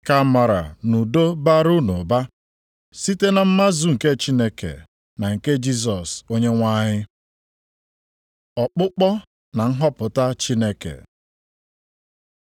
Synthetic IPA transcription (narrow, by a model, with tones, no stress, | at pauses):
ka˦ma˨ɾa̰˨nu˨do˦ba˦ɾu˦nu˨ba˦ | si˦te˦na˨m̩˦ma˦zu˨ŋ̩˨ke˦t͡ʃi˦ne˦kḛ˨ | na˨ŋ̩˨ke˦d͡ʒi˦s̬ɔ˨so˦ɲe˦ŋʷa˦ɲɪ˦ | ɔ˨k͡pʊ˦k͡pɔ˦ | na˨ŋ̩˦ɦɔ˦pʊ˨ta˦t͡ʃi˦ne˦kḛ˨